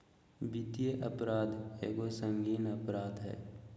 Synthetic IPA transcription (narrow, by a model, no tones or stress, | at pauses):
bit̪ijeʔəpɾaːd̪ʱḛːɡosə̃ŋɡiːnəpɾaːd̪ɦɛ̰ː